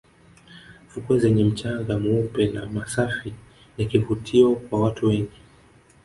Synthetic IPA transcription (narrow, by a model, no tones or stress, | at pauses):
v̥ukuazɛɲɛm̩t͡ʃaŋɡamuupɛna̰masafi | jakivutʰiɔkwawatuwɛɲɡi